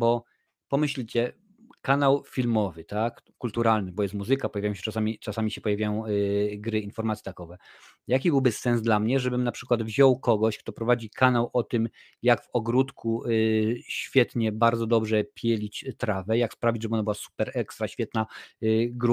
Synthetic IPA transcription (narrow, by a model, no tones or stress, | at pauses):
bɔ | pɔmɘɕlʲit͡ɕɛ | kanawfʲilmɔvɘt̪akːult̪uɾalnɘbɔjɛst̪muzɘkapɔjavʲajɔ̃ɕɛ̥t͡ʂasamʲit͡ʂasamʲiɕɛpɔjavjajɔ̃w̃ɡɾɘinfɔɾmat̪sjɛt̪akɔvɛ | jakʲibɘwbɘsɛnzd̪lamɲɛʐɛbɘmnapʂɘkwad̪vʑɔwkɔɡɔɕkt̪ɔpɾɔvad͡ʑikʰanawʔɔt̪ɘm | jaɡvɔɡɾut̪ku | ɕfʲjɛt̪ɲɛbaɾd̪zɔd̪ɔbʐɛpʲʰjɛlʲit͡ɕt̪ɾavɛjakspɾavʲid͡ʑʐɛbɘɔnabɨwasu̥pɛɾɛkst̪ɾaɕfʲjɛt̪na | ɡɾu